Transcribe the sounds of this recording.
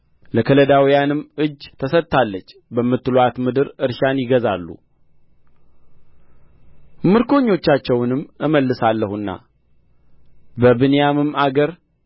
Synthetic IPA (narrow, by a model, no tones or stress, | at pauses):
ləkʰələd̪awijanɨmːʔɨd͡ʒt̪ʰəsət̪t̪ʰːalːət͡ʃːbəmːɨt̪ːɨloat̪mɨd̪ɨɾɨɾʃanjɪɡəza̰lːṵ | mɨɾkʰo̞ɲːo̞t͡ʃːat͡ʃːɛwnɨmːʔɨməlːɨsalːəhunːa̰ | bəbɨnjamɨmaɡəɾ